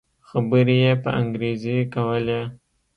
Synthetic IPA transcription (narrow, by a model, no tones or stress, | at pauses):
xabəɾijepə̰a̰ŋɡɾezikawəle